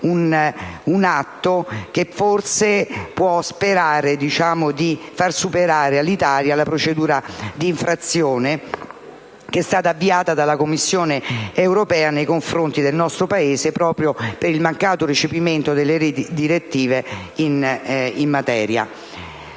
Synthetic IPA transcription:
ununat̪ːok̟efːorsepwɔspeɾaːɾed̪it͡ʃaːmod̪ifarsupeɾaːɾealːit̪aːljalapɾot͡ʃed̪uːɾad̪iːɱfɾat̪sːjoːne | k̟ɛst̪aːt̪aːvːiaːt̪ad̪alakomːisːjoːneewɾopɛːanejkoɱfɾont̪id̪elnɔst̪ɾopaeːsepɾɔːpɾjopeɾilmaŋkaːt̪orit͡ʃepiment̪od̪elːeɾd̪iɾet̪ːiːveinimːat̪ɛːɾja̰

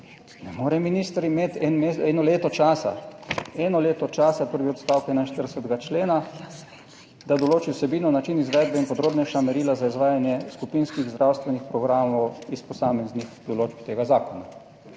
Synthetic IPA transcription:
nɛmoːɾɛminiːst̪ɾimeːt̪ɛnmeɛnɔleːt̪ɔt͡ʃaːsa̰ɛnɔleːt̪ɔt͡ʃaːsapəɾʋiɔt̪st̪aːwkɛnainʃt̪əɾdəsɛt̪ɛɡat͡ʃleːna | d̪ad̪ɔloːt͡ʃiwsɛbinɔnat͡ʃinizʋɛːd̪̚bɛinpɔd̪ɾoːbnɛʃamɛɾiːlazaizʋaːjanjɛskupinskiɣzd̪ɾʔawst̪ʋɛnixpɾɔɡɾaːmɔwispɔsaːmɛznixd̪ɔloːd͡ʒbt̪eːɡazaːkɔna

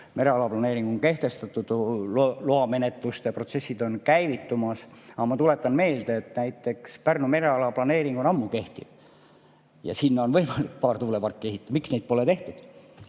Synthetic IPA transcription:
me̞ɾe̞ɑlɑplɑne̞ːɾiŋɡ̥oŋke̞ht̪e̞st̪ɑt̪ːˑut̪ulloɑme̞net̪ˑlust̪epro̞t̪se̞sʲːid̪o̞nkæjvit̪ːumɑsɑmɑt̪ule̞t̪ːˑɑnme̞ːld̪̥eːt̪næjt̪ːˑe̞kspærnume̞ɾe̞ɑlɑplɑne̞ːɾiŋɡ̥onɑmːuke̞ht̪ḭv | jɑ̰sinːɑonvɤ̞jmɑlikpɑːrt̪uːlepɑrkːˑieɦit̪ːˑɑmiksnejd̪̥po̞let̪e̞ht̪ud̪̥

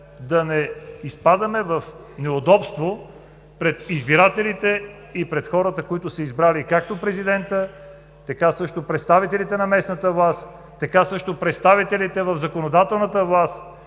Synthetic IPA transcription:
d̪ɐnɛispad̪ɐmɛvɐf | nɛʊd̪ɔpst̪vo | pɾɛt̪izbiɾat̪ɛlit̪ɛ | ipɾɛt̪xɔɾət̪əkoit̪ʊsɐizbɾalikak̚t̪opɾɛzid̪ɛnt̪ə | t̪ɐkasɤʃt̪opɾɛt̪st̪avit̪ɛlit̪ɛnɐmɛsnət̪əvlˠast̪ | t̪ɐkasɤʃt̪opɾɛt̪st̪avit̪ɛlit̪ɛvɐvzɐkonod̪at̪ɛlˠnət̪əvlˠast̪

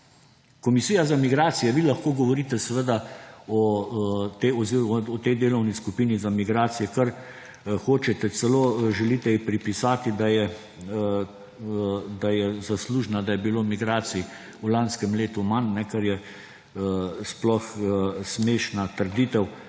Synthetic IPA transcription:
kɔmisijazamiɡɾaːt̪sijɛʋilɐxkoːɡɔʋɔɾit̪ɛsɛʋəd̪aɔ | t̪eɔziɔt̪ɛjd̪eːlɔwniskupiːnizamiɡɾaːt̪sijɛkaɾ | xoːt͡ʃɛt̪ɛt̪sɛloʒɛlit̪ɛipɾipisaːt̪id̪ajɛ | d̪ajɛzasluːʒnad̪ajɛbiloːmiɡɾaːsii | ulanskɛmleːt̪umannɛkaɾjɛ | splɔxsmeːʃnat̪əɾd̪iːt̪ɛw

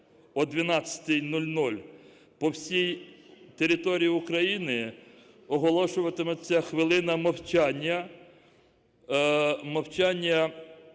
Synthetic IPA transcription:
ɔd̪ʲʋʲinɑt͡sʲːɐ̥t̪ɪjnulʲnulʲ | pɔwsʲijt̪eɾʲɪt̪ɔɾʲijiʊkɾɐjinɪ | ɔɦɔlˠɔʃʊʋɐt̪ɪmɛt͡sʲːɐxʋɪlˠɪnɐmɐwt͡ʃanʲːɐ | mɐwt͡ʃanʲːɐ

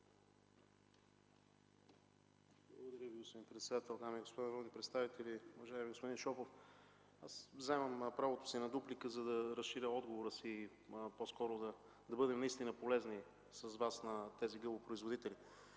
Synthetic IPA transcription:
blˠɡod̪ɐɾʲjəviɡospod̪inpɾɛt̪sɛd̪at̪ɛlˠd̪amiiɡospod̪anɐɾɔnipɾɛt̪st̪avit̪ɛliuvɐʒaɛmiɡospod̪inʃɔpof | asvzɛmɐmpɾavot̪o̥sinɐd̪uplikəzɐd̪ɐɾɐsʃiɾʲəɔd̪ɡovoɾəsi | poskɔɾʊd̪ɐ | d̪ɐbɤd̪ɛmnɐist̪inəpolɛzni | sɐzvasnɐt̪ɛziɡɤbˠopɾoizvod̪it̪ɛli

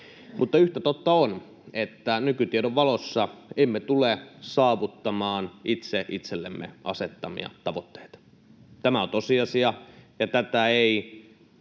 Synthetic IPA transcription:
mʔut̪ːɑyht̪æt̪ot̪ːɑon | et̪ːænykyt̪iedoʋʋɑlosːɑemːet̪ulesɑːʋut̪ːɑmɑːnit̪seʔit̪selːḛmːḛʔɑ̰set̪ːɑmḭɑ̰t̪ɑʋot̪ːe̥it̪ɑ̥ | t̪æmæont̪osiɑsiɑjɑt̪æt̪æei

